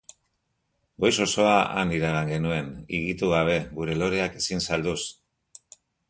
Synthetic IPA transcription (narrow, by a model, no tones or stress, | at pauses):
ɡo̞jso̞so̞aʔa̰niɾaɣ̞aŋɡe̞nue̞nḭɣit̪uɣ̞aβ̞e̞ɡuɾe̞lo̞ɾe̞ake̞sinsald̪us